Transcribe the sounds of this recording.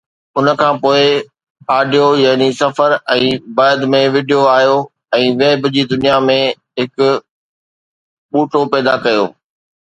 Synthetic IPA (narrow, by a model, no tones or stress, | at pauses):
ʊnə̆kʰãːpoːɪ | aːɖijojaːnisɐfəɾɛ̃ːbəd̪mẽʋɪːɖijoaːɦijo | ɛ̃ːʋeːbd͡ʑid̪ʊnijamẽ | ɦɪkʊ | ɓuːʈʰopɛːd̪akɐjo̰ː